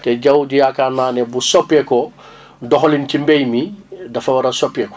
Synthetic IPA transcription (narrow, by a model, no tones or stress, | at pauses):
tɛɟɐwɟujakanːaːnebusopɛkɔ | dɔxolincimbejmidɐfɐwɐɾɐsopjekɔ̥